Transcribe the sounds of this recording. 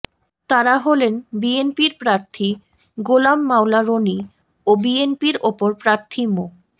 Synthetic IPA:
t̪aɾaɦolenbienpiɾpɾaɾt̪ʰi | ɡolamːawlaɾoni | obienpiɾopoɾpɾaɾt̪ʰimo

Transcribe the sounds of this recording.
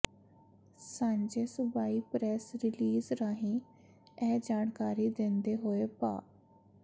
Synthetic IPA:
saːɲd͡ʒeːsʊbaːiːpɾɛːsɾɪliːzɾaːɦĩː | ɛːd͡ʒaːɳkaːɾiːd̪ẽnd̪eːɦoːeːpa̰ː

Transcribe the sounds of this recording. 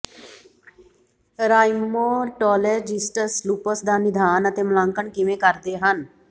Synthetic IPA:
ɾaːimoːʈɔːleɾd͡ʒɪsʈəɾsluːpəsd̪aːnɪd̪ʱaːnət̪eːməlãːŋkəɳkɪʋẽːkəɾd̪eːɦən

